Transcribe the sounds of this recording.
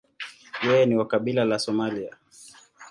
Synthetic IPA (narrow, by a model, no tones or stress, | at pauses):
jɛjɛniwakaɓilalasɔmalia